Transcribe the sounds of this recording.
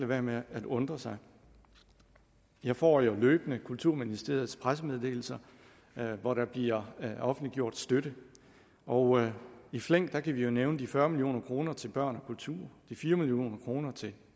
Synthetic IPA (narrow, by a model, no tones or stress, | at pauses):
ləʋæɐmeædɔ̽nd̥ʁɐsɑ̈ɪ | jɑ̈ɪfɒ̰ːjo̝løːb̥ənəkʰult͡sʰuɐminisd̥ʁe̝ɐð̞̩ˠspʰʁasəmeð̞ˠd̥e̝̰ːl̩sɐ | ʋɒɾæb̥liɐ̰ɒ̽fn̩d̥liɡ̥jo̝ɐ̰d̥sd̥øɾə | ʔɒʊifleŋ̰ɡ̥̚d̥æ̈kʰæʋijo̝neʊnəd̥ifɶɐmiljo̝̰ːnɐkʰʁo̝ːnɐt͡sʰe̝lb̥ɶɐ̰nɒ̽kʰult͡sʰuɐ̰d̥ifiːɐmilijo̝̰ːnɐkʰʁo̝ːnɐt͡sʰe̝l